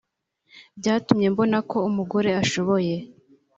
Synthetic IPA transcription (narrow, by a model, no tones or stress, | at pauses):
bɟaːtumɲe̞mbo̞nako̞umuɡo̞ɾe̞aʃo̞βo̞je̞